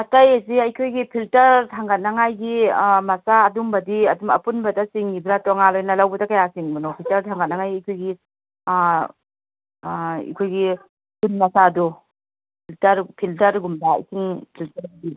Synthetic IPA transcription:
atɐjasiɐjkʰojɡipʰiltɐɾtʰaŋɡɐt̚nɐŋajɡimɐsaːdumbɐdiɐdumɐpunbɐdɐsiŋibɾatoŋalojnɐlawbɐdɐkajasiŋbɐnowpʰiltɐɾtʰaŋɡɐt̚nɐŋajɡiɐjkʰojɡi | ḭkʰojɡi | kunmɐsadu | pʰiltɐɾpʰiltɐɾɡumda̰sʰiŋpʰiltɐɾdi

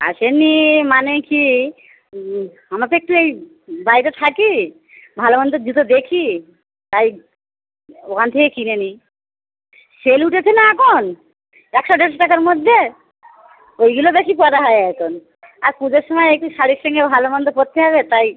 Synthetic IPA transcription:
a̰ʃenimaneki | amat̪oek̚ʈuej | bajt̪at̪ʰaki | bʱaloband̪od͡ʑit̪od̪ekʰi | t̪aj | okʰant̪ʰekekineni | seluʈʰetʰenaɛkʰon | ɛkʃɔɖɛɾʃʈakaɾmod̪ʱːe | ojɡulobeʃipoat̪aɦɔeɛkʰon | aɾkũd͡ʑeɾʃɔmaeek̚ʈuʃaɽikʃɔŋɡebʱalobɔnd̪opot̪ʰːeɦɛβet̪aj

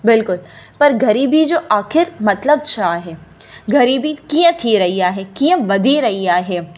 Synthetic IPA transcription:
bɪlkʊlpɐɾɡʱɐɾiːbʱid͡ʒoːʔaːxɪɾmɐt̪ləbt͡ʃʰaːɦɛː | ɡʱɐɾiːbikijə̃t̪ʰiɾɐɦiaːɦɛkiːə̃ʋɐd̪ʱiɾɐɦiaːɦɛː

